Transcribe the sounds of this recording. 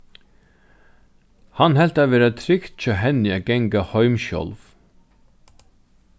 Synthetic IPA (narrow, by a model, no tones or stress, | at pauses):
hɑnhɛlt̪ɑːʋeːɾat̪ʰɾɪkt̪t͡ʃoːɦɛnɪæɡɛŋɡahœʏmʃɔ̰lʋ